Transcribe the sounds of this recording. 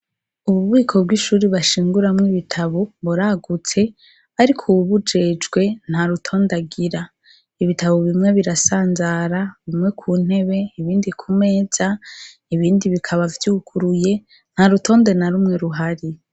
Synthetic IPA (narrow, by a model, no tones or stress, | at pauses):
uβuβwiːkʰo̞b̚ɡwiʃuːɾiβaʃiːŋɡuɾamŋiβitʰaβoβuɾaɡut͡se̞ | aɾikʰuβud͡ʒe̞ːd͡ʒɡwe̞n̥haɾutʰo̞ːndaɡiɾa | iβitʰaβoβimŋe̞βiɾasaːnzaɾaβimŋwe̞kʰuːn̥he̞βe̞iβiːndikʰume̞ːz̥a | iβiːndiβikʰaβavjuːkʰuɾuje̞ | n̥haɾuto̞ːnde̞naɾuːmŋe̞ɾuɦaɾi